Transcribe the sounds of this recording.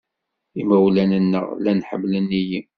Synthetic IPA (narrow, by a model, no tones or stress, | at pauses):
imæwlænənːə̰ʁlænħəmːlənːijim